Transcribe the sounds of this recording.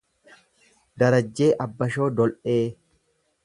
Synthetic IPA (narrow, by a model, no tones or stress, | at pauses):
d̪ɐɾɐd͡ʒːe̞ːʔɐbːɐʃo̞ːd̪ɔlʔe̞ː